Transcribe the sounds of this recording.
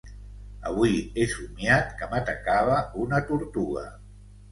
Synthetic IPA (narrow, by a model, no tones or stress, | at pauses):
ə̰βwiesumjat̪kəmat̪əkaβ̞əunət̪uɾt̪uɣə̰